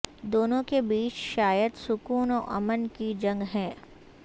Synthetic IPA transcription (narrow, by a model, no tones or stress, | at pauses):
d̪oːnõkebiːt͡ʃʃaːjəd̪sʊkuːnoʔɐmənkid͡ʒɐ̃ŋɡɦɛ̃ː